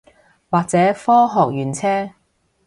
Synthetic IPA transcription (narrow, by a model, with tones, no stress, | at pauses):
waː˨k̚t͡sɛː˨˥fɔː˥ɦɔː˨k̚jyː˨˩nt͡sʰɛː˥